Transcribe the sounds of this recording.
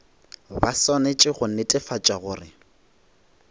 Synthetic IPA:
basɔnet͡ʃʼɪχʊnetʼɪfat͡ʃʼaɣʊːrɪ

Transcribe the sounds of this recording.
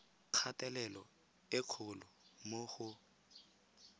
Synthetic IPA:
q͡χʰatʼɛlɛlɔ | ɪkʰʊlʊmohʊ

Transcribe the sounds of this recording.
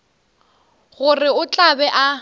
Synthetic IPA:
ɣʊrɪʊt͡ɬʼabɛʔa

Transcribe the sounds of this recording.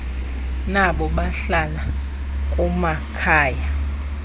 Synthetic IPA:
naɓɔɓaɬala | k̬ʼuma | kʰaːja

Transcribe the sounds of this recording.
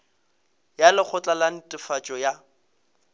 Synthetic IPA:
jalɪk͡xʰʊt͡ɬʼalan̩tʼɪfat͡ʃʼɔja

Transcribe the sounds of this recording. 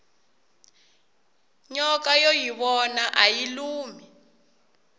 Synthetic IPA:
ɲɔkajojiβɔnaʔajiluːmi

